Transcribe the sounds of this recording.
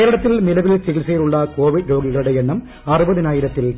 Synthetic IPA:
eːɾɐɽɐt̪ːɪlmɪlɐʋɪlsilsɐjluɭːɐkoːʋɪɖɾo̞ːɡiɣɐɭɽejeɳːɐm | ɐrɯbɐðɯnaːjɪɾɐt̪ːɪl

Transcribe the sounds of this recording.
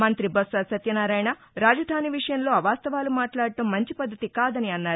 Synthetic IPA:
mɐnt̪ɾibɐsɐsɐt̪jɐnaːɾaːjɳa | ɾaːd͡ʒɐd̪ʱaːniʋiʂɐjɐmlo̞ːɐʋaːst̪ɐʋaːlumaːʈlaːɽɐʈɐmːɐɲt͡ʃipɐd̪ʱːɐt̪ikaːd̪ɐniɐnːaːɾu

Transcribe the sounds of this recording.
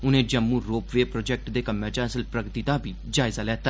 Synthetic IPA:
ʊnẽːd͡ʒəmːuːɾoːpʋeːpɾoːd͡ʒɛːk̚ʈd̪eːkəmːẽːt͡ʃasəlpɾəɡt̪id̪aːbʱiːd͡ʒaːɪzaːlɛːt̪a

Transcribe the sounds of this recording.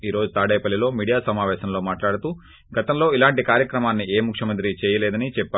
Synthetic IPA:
iːɾo̞ːd͡ʒut̪aːɽɛːpɐlːilo̞ːmiːɽijaːsɐmaːʋɛːʃɐmlo̞ːmaːʈlaːɽut̪uː | ɡɐt̪ɐmlo̞ːilaːɳʈikaːɾjɐkɾɐmaːnːieːmukʰjɐmɐnt̪ɾit͡ʃɛːjɐlɛːd̪ɐnit͡ʃɛpːa

